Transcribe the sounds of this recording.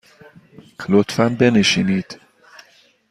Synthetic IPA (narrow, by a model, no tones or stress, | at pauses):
kʰlot̪fænbeneʃiniːd̪̥